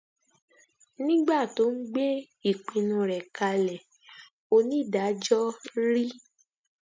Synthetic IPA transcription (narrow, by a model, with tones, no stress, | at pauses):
nĩ˦ɡ͡ba˦˨to˨˦n̩˦ɡ͡be˦ | i˦˨k͡pĩ˧nũ˧ɾɛ˨ka˧lɛ˨ | o˧nĩ˨˦˨da˨˦d͡ʒɔ˦ɾi˦